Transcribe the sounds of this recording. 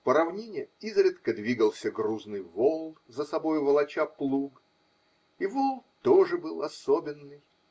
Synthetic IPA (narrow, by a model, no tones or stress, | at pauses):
pəɾɐvnʲenʲɪjəizɾʲɪt̪kəd̪vʲiɡəlˠsʲəɡɾuznɨjvolˠ | zəsɐbo̞jʊvəlˠɐt͡ɕaplˠuɡ | ɪvolˠt̪oʐɨbɨlˠɐsobʲɪnːɨj